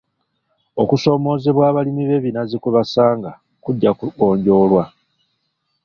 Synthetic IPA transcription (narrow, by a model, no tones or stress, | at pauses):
o̞kuso̞ːmo̞ːze̞βwaːβalimiβe̞ːβinazikuβasaːŋɡa | kuɟːauo̞ːɲɟo̞ːlwa